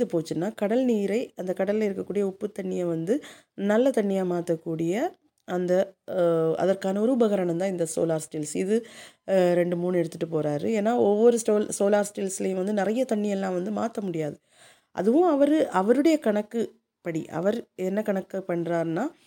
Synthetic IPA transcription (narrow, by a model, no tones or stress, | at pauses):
ðɯpoːt͡ʃːɯnːaːkɐɽɐlniːɾɐɪɐnd̪ɐkɐɽɐlɪlɐɪɾɯkːɐkːuːɽɪjɐʊpːɯt̪ːɐɳːɪjɐʋɐnd̪ɯ | nɐlːɐt̪ɐɳːɪjamaːt̪ɐkːuːɽɪjɐ | ɐnd̪ɐ | ɐ̰ðɐɾkaːnɐɔɾɯbɐɣɐɾɐɳɐnt̪ãːɪnd̪ɐso̰ːlaːɾsʈɪlsɪðɯ | ɾɛɳɖɯmuːnɛɽɯt̪ːɯʈːɯpoːɾaːɾɯ̰eːnːaːɔʋːɔɾɯsʈoːlsoːlaːɾsʈɪlsɪlɐjɯ̃ʋɐnd̪ɯnɪɾɐjɐt̪ɐɳːɪjɛlːãːʋɐnd̪ɯma̰ːt̪ɐmʊɽɪjaːðɯ | ʔɐ̰ðɯʋʊ̃ɐʋɐɾɯʔɐʋɐɾɯɽɐjɐkɐɳɐkːɯ | pːɐɽiʔɐ̰ʋɐɾɛnːɐkɐɳɐkːɐpːɐɳːɾaːɾnaː